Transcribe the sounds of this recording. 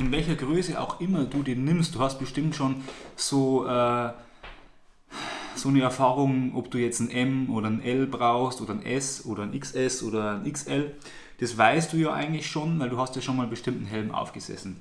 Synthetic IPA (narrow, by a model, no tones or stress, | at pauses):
ʔɪnvɛlçɐɡʁøːsəʔa̰ʊxʔɪmɐduːdeːnːɪmst̚d̥uːhast̚b̥ɪʃtɪmtʃoːnz̥oːʔɛː | z̥oːnəɛɐfaːʁʊŋʔɔpd̥uːjɛt͡sn̩ʔɛmʔoːɾɐənʔɛlbʁaʊxstʔoːdɐənʔɛsʔoːdɐənɪksɛsʔoːdɐənɪksʔɛl | d̥asvaɪst̚d̥uːjaːʔa̰ɪɡŋ̩tlɪçʃoːnvaɪlduːɦastjaːʃoːnmaːlbəʃtɪmtn̩ɦɛlm̩ʔa̰ʊfɡ̥əz̥ɛ̰sn̩